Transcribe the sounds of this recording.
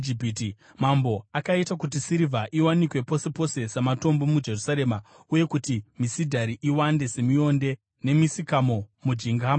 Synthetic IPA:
d͡ʒipiti | mambo̞akaitakutisiɾivʱaʔiwanikwe̞po̞se̞po̞se̞samato̞mbo̞mud͡ʒe̞rusaɾe̞ːma | uje̞kutimisidʱaɾiʔiwande̞se̞mio̞nde̞ | ne̞misikamo̞mud͡ʒiŋɡaːm

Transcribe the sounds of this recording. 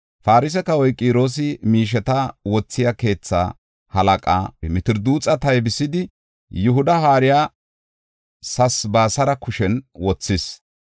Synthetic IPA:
faːɾɪs̬ɛkɐwɔjkʼiːɾo̞ːs̬ɪmiːʃ̬ɛt̪ɐwɔt͡sːɪjake̞ːt͡sːa̰ː | hɐlɐkʼa̰ːmɪt̪ɪɾd̪uːt͡sʼɐt̪ɐjbɪsːɪd̪ɪ | jʊɦʊd̪ɐɦaːɾɪjaː | sɐsbaːsɐɾɐkʊʃɛnwɔt͡sːɪs

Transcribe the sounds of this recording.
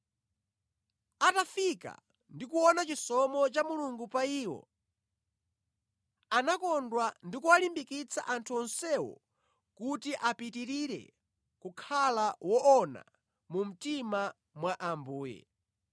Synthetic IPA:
atafika̰ | ndikuwɔnat͡ʃisɔmɔt͡ʃamuluŋɡupaiːwɔ̰ | anakɔndwandikuwalimbikit͡sʰa̰ʔantʰuɔnsɛwɔ̰ | kutiʔapitiɾiɾɛ̰ | kukʰalawɔʔɔna̰ | mum̩tima | mwaʔambuːjɛ̰

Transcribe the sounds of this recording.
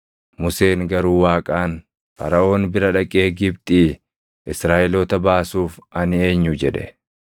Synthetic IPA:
mʊse̞ːŋɡɐɾuːwaːkʼaːn | fɐ̰ɾɐʔo̞ːnbɪɾɐᶑɐkʼe̞ːɡɪbt̪ʼiː | ʔɪsɾaːʔɛloːt̪ɐbaːsuːfɐnɪe̞ːɲːʊd͡ʒɛᶑɛ̰

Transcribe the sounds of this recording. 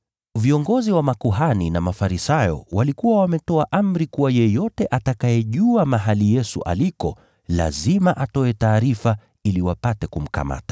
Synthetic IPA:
viɔŋɡɔziwamakuɦaninamafaɾisajɔ̰walikuwawamɛtɔaʔam̩ɾikuwajɛjɔtɛʔatakajɛʄuamaɦalijɛsṵʔa̰likɔ | la̰zimaʔatɔɛtaːɾifa | iliwapatɛkum̩ka̰ma̰tḁ

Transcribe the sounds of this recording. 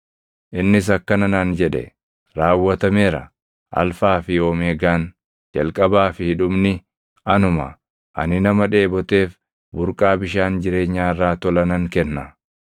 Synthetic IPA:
ʔɪnːɪs̬ɐkːɐnɐnaːnd͡ʒɛᶑɛ̰ | ɾaːwːɐt̪ɐmeːɾɐ̰ | ʔɐ̰lfaːfɪjo̞ːmeːɡaːn | d͡ʒɐlkʼɐbaːfɪhɪᶑʊbnɪ | ɐnʊmɐ̰ | ʔɐ̰nɪnɐmɐᶑe̞ːbɔt̪e̞ːf | bʊɾkʼaːbɪʃaːnd͡ʒɪɾe̞ːɲːaːɪrːaːt̪ɔlɐnɐŋkɛnːɐ

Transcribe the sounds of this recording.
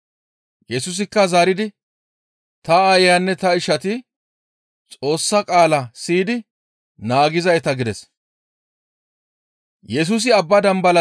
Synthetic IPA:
jɛsʊs̬ɪkːɐzaːɾɪd̪ɪ | t̪ɐːjjaːnːɛt̪ɐɪʃɐt̪ɪ | t͡sʼo̞ːsːɐkʼaːlɐsiːd̪ɪ | naːɡɪzɐjt̪ɐɡɪd̪ɛs | jɛs̬ʊs̬ɪɐbːɐd̪ɐmbɐlɐ

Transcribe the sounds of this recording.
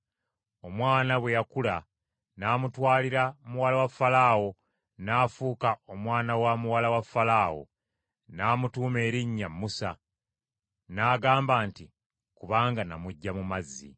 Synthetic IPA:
o̞mwaːnaβwe̞jakula | naːmutwaːliɾamuwalawafalaːwo̞ | naːfuːkao̞mwaːnawamuwalawafːalaːwo̰ | naːmutuːme̞ːɾiɲːamːusa | naːɡaːmbaːnti | kuβaːŋɡanamuɟːamumazːḭ

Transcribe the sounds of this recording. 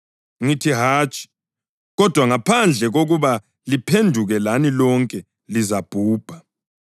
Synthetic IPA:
ŋitʰiɦaːt͡ʃʼi̥ | ɣɔd̥ʱwaŋapʰand͡ɮʱɛɣoɣuβa | lipʰendʱuɣɛlanilɔŋkʼɛ | lizab̥ʱuːb̥ʱa

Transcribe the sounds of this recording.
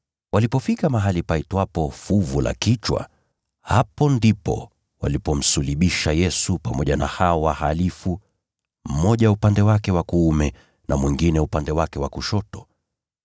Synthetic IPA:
walipɔfikamaɦalipaitwapɔfuvulʔa̰kit͡ʃwa̰ | hapɔndipɔ̰ | wa̰lipɔm̩suliɓiʃajɛsupamɔʄana̰haɔwahalifu | m̩mɔʄaupandɛwakɛwakuumɛ | nʔamwiŋɡinɛupandɛwakɛwakuʃɔtɔ̥

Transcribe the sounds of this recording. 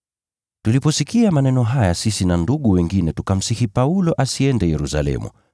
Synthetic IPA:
tulipɔsikiamanɛnɔɦajasisinanduɠuwɛŋɡinɛtukam̩sihipaulɔʔasiɛndɛjɛɾusa̰lɛ̰mṵ

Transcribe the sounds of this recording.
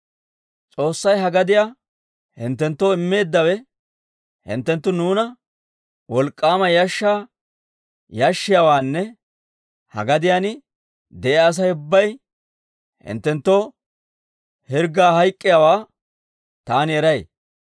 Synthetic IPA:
t͡sʼo̞ːsːɐjɦɐɡɐd̪ɪjaː | hɪnt̪ːɛnt̪ːoːɪmːe̞ːd̪ːɐwɛ | hɪ̰nt̪ːɛnt̪ːʊnuːnɐ | wɔlkʼːaːmɐjɐʃːaː | jɐʃːɪjaːwaːnːɛ | hɐ̰ɡɐd̪ɪjaːnɪ | d̪ɛʔaːs̬ɐjʊbːɐj | hɪ̰nt̪ːɛnt̪ːoː | hɪɾɡaːhɐjkʼːɪjaːwaː | t̪aːnɪɛɾɐj

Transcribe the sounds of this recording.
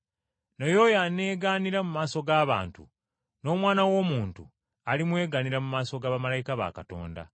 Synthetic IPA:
nojoːjane̞ːɡaːniɾamumaːso̞ɡaːβa̰ːntṵ | no̞ːmwaːnawo̞ːmuːntṵ | alimwe̞ːɡaniɾamumaːso̞ɡaːβamalajikaβa̰kato̞̰ːnda̰

